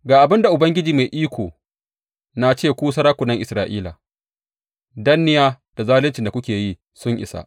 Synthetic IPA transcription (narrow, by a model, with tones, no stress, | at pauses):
ɡaː˨ʔa˨bɪ˦nda˨ʔʊ˨bɐ˦ŋɡʲɪ˦d͡ʒiː˨ma˨jʔiː˦kʷoː˨ | na˨t͡ʃeː˦˨kʷuː˦s̬ɐ˦ɾaː˦kʷʊ˨nɐ˦ŋʔɪ˨sɾaː˨ʔiː˦la̰ː˨ | dɐ˦nːɪ˦jaː˦ | d̥a˨zaː˦lɪ˦nt͡ʃɪ˨nda˨kʷʊ˦kʲeː˨ji˦ | sʊ˦ɲʔɪ̰˨sa̰˦ʔ